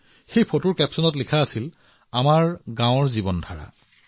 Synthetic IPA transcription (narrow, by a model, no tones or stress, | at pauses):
xejpʰotuɹkɛpsɔnɔtlikʰaːsil | amaɹɡãw̃ɔɹzibɔndʱaɹa̰